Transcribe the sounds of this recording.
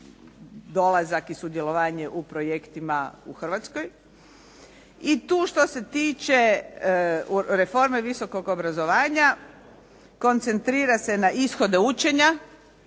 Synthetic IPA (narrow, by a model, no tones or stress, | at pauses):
d̪o̞lazakisud̪je̞lo̞ʋaːɲe̞ʔupɾo̞jekt̪imaṵxrʋat̪skoj | it̪uːʃt̪o̞se̞t̪iːt͡ʃe | ɾefo̞ɾmeʋiso̞ko̞ɡo̞bɾazo̞ʋaːɲa | ko̞nt̪se̞nt̪ɾiːɾase̞naʔisxo̞d̪e̞ut͡ʃe̞ɲa